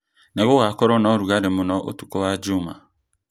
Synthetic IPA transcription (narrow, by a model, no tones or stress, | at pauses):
nɛɣoɣakɔɾɔnɔɾuɣaɾemʊnɔʔo̰tu̥kɔwad͡ʒuma̰